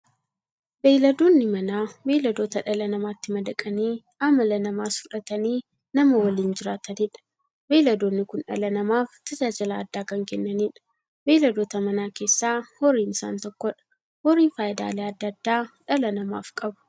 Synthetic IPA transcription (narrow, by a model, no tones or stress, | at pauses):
beːlɐd̪oːnːɪmɐnaːbeːlɐd̪o̞ːt̪ɐᶑɐlɐnɐmaːt̪ːɪmɐd̪ɐkʼɐniː | ɐmːɐlɐnɐmaːsʊᶑɐt̪ɐniː | nɐmɐwɐliːnd͡ʒɪɾaːt̪ɐnɪːᶑɐ̥ | beːlɐd̪oːnːɪkʊnᶑɐ̰lɐnɐmaːft̪ɐd͡ʒaːd͡ʒɐlɐːd̪ːaːkɐŋkɛnːɐniːᶑɐ̥ | beːlɐd̪oːt̪ɐmɐnaːke̞ːsːaːhɔɾiːnɪsa̰ːnt̪ɔkːɔᶑɐ̥ | hɔɾiːnfaːjɪd̪a̰ːleɐd̪ːɐd̪ːaːᶑɐlɐnɐma̰ːfkʼɐbʊ̥